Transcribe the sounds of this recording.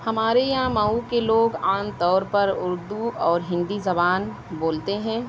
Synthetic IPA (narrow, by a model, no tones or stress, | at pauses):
hɐmaːɾejɐɦãmaukeloːɡaːnt̪ɔːɾpɐɾʊɾd̪uɔːɾɦɪ̃nd̪izɐbaːn | boːlt̪eɦɛ̃ː